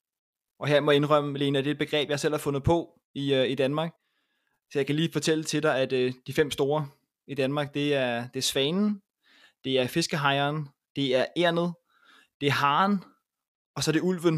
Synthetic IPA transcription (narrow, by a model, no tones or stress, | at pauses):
ʔɒ̽ɦe̝ɐ̰mɒ̽jɑ̈e̝nʁœm̰əle̝ːnæd̥ed̚b̥e̝ɡ̥ʁɛ̰ːb̥jɑ̈sel̰hæɐfɔ̽nð̞̩ˠpʰɒ̽ | iøid̥ænmɑ̈ːɡ̥ | sɒjɑ̈ɪkæliːfɒ̽t͡sʰel̰ət͡sʰe̝d̥ɑɪæd̥d̥ifem̰sd̥o̝ːɐ | id̥ænmɑ̈ːɡ̥̚d̥e̝æɐd̥e̝ɐsʋɛːnn̩ | d̥e̝æɐfe̝sɡ̥əɦɑ̈ɪɐːn | d̥e̝æɐʔeɐ̰nð̞̩ˠ | d̥e̝æɐɦɑ̈ːn | ɒ̽sɒ̽ɾ̥e̝ul̰ʋən